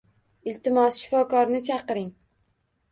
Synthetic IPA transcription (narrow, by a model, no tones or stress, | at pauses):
ɪlt̪ɪmɒsʃɪ̥fɒkɒɾnɪt͡ʃʰɑqɨɾɪŋ